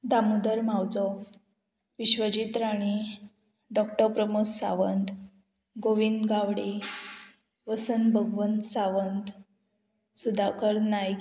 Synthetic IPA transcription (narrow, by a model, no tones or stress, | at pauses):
d̪amud̪əɾmawd͡zɔ | ʋiɕʋəd͡ʑit̪ɾaɽ̃i | ɖɔkʈəpɾəmuksa̰ʋənd̪ | ɡoʋind̪ɡaʋɽi | ʋəsənbʱəɡʋənt̪saʋənt̪ | sud̪ʱakəɾnaj